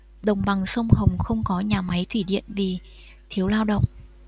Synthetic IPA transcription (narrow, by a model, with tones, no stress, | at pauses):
ɗə˨˩wŋ͡mɓa˨˩ŋsə˧wŋ͡mhə˨˩wŋ͡mxə˧wŋ͡mkɔ˨˦ɲaː˨˩ma˨˦jt̪ʰwi˧˩ɗḭ˧˨ənvi˨˩ | t̪ʰi˨˦əwlaː˧wɗə̰˧˨wŋ͡mʔ